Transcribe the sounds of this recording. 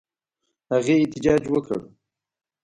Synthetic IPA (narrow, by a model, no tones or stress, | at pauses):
haɣeɪt̪ɪd͡ʒɑːd͡ʒwəkʰə̰ɽ